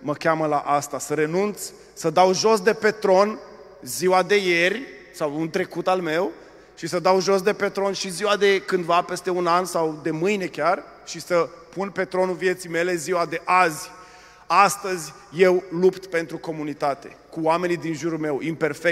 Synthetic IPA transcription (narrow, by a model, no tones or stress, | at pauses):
məkʲaməlaʔast̪asəɾe̞nunt̪sʲ | səd̪awʒo̞sd̪e̞pe̞t̪ɾo̞n | ziwad̪e̞je̞rʲ | sawunt̪ɾe̞kut̪alme̞w | ʃisəd̪awʒo̞s̬d̪e̞pe̞t̪ɾo̞nʃiziwad̪e̞kɨnd̪vape̞st̪e̞unansawd̪e̞mɨjne̞kʲar | ʃisəpunpe̞t̪ɾo̞nuvije̞t̪sijme̞le̞ziwad̪e̞ʔazʲ | ast̪əzʲ | je̞wlupt̪pe̞nt̪ɾuko̞munit̪at̪e̞̰kuoame̞nid̪inʒuɾulme̞wimpe̞rfe